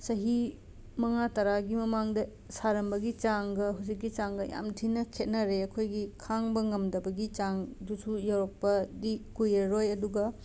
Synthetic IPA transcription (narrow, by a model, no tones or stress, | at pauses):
sɐɦi | mɐŋatɐɾaɡimɐmaŋdɐ | saɾɐmbɐɡit͡ʃaŋɡɐɦusikːɡit͡ʃaŋɡɐja̰mtʰinɐkʰet̚nɐɾeɐkʰojɡikʰaŋbɐŋɐmdɐbɐɡit͡ʃaŋdusujawɾɐk̚pɐdikujɐɾojɐduɡɐ